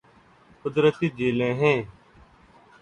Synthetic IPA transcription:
kʊd̪ɾət̪iːd͡ʒeːlẽːɦẽː

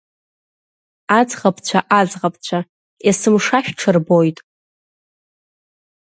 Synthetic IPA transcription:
ad͡zʁapʰʼt͡ɕʷʰaʔazʁap̚ʰʼt͡ɕʷʰa | jasɨmʂaʃᶣʈ͡ʂʰɨrbojtʼ

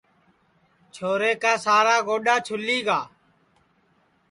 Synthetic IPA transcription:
t͡ʃʰoːɾeːkaːsaːɾaːɡoːɗaːt͡ʃʰʊliːɡaː

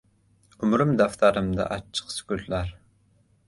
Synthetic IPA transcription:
ʊmɾɨmd̪æft̪ʰɑɾɨmd̪ɑ̰ʔɑt͡ʃʰːə̥qsy̥kʲyllæɾ

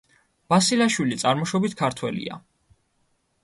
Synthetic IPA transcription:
b̥asilaʃwilit̪sʼaɾmɔʃɔbit̪ʰkʰaɾt̪ʰwɛlḭa̰

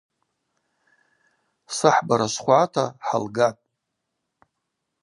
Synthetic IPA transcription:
sɨħbaɾasχʷatʰaħa̰lɡapʼ

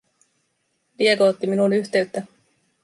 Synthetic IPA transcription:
lie̞koot̪ːiminunyçt̪e̞ɥt̪ːæ

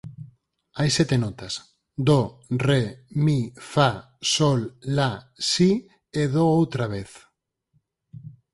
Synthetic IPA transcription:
ajsɛt̪enɔt̪as | d̪oremifa | solːasi | eðoowt̪ɾaβeθ

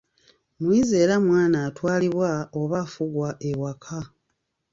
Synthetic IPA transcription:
mwiːze̞ːɾamwaːnaːtwaːliβwaoβafuɡwaʔewakʰa

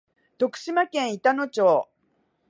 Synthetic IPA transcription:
d̪̥o̞kɯ̟̥ɕimakẽ̞ɰ̃it̪ano̞t͡ɕoː

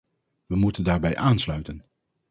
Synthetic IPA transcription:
ʋəmutəndaːɹbɛjʔaːnslœɥtən

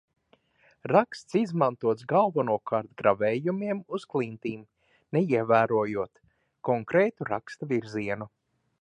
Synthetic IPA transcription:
ɾakst̪sizmant̪uɔt̪sɡalˠvanuɔkʰaɾt̪ɡɾavɛːjumiɛmuzklˠint̪iːm | nɛiɛvæːɾuɔjuɔt̪ | kɔŋkɾɛːt̪uɾakst̪avʲiɾziɛnu

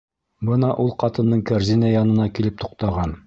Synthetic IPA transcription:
bɤnɑʔulˠqɑt̪ɤ̆nːɤɴkæɾzinajɑnɤ̆nɑkilɘp̚t̪u̥q̚t̪ɑʁɑn

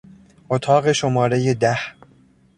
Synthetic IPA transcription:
ʔot̪ʰɒːɣe̞ʃomɒːɾejed̪æh

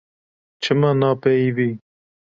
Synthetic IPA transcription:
t͡ʃʰɨmaːnɑːpɛiviː

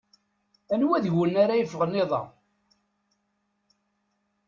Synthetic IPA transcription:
ænwæðʝənːaɾajəfːəʁənːɪðˤɑ̰

